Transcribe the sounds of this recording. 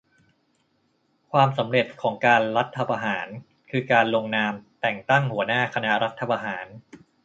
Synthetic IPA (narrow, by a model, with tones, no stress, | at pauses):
kʰwaː˧msa˩˦mɾe˨˩t̪̚kʰɔː˩˦ŋkaː˧nɾa˦˥t̪ʰːa˧pʰa˧ɦaː˩˦n | kʰɯː˧kaː˧nlo˧ŋnaː˧mt̪ɛ˨˩ŋt̪a˥˩ŋhu˩˦ɐnaː˥˩kʰa˧na˦˥ɾa˦˥t̪ʰːa˧pa˧ɦaː˩˦n